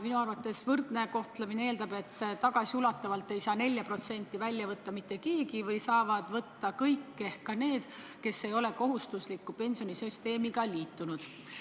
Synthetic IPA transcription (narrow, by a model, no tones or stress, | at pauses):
minuɑrvɑt̪ːˑe̞svɤrd̪̥ne̞ko̞ht̪lemineeːld̪ɑbe̞t̪ːt̪ɑɡ̥ɑsiulɑt̪ːˑɑvɑlt̪ːˑe̞jsɑːne̞lʲjɑpro̞t̪se̞nʲt̪ːˑivælʲːjɑvɤt̪ːɑmit̪ːe̞ke̞ːɡivɤjsɑːvɑd̪̥vɤt̪ːɑkɤjkːe̞hkɑne̞ːd̪̥ke̞sːejo̞le̞ko̞ɦust̪uslikːupe̞nʲsio̞nisyst̪e̞ːmiɡɑliːt̪ːˑunud̪̥